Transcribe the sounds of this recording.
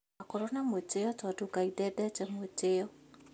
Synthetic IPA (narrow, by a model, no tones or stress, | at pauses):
akoɾonamoteɔtatokaidɛdɛtɛmoteɔ